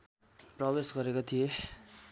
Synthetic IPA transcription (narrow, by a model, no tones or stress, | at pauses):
prʌbesɡʌɾekot̪ʰije